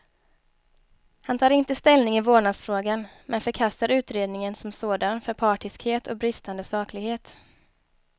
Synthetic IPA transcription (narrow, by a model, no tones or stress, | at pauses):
hant̪ʰɑːɾɪnt̪əst̪ɛlnɪŋɪvoːɳaɡsfɾoːɡan | mʔɛnfœɾkʰast̪aɾʉ̟ːt̪ɾeːd̪nɪŋənsɔmsoːd̪anfœɾpʰɑːʈɪskheːt̪ɔ̰k̚bɾɪst̪and̪əsɑːklɪɡheːt̪